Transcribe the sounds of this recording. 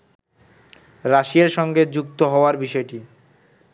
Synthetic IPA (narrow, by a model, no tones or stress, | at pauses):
ɾaʃieɾʃɔŋɡed͡ʑuk̚t̪oɦɔoaɾbiʃɔeʈi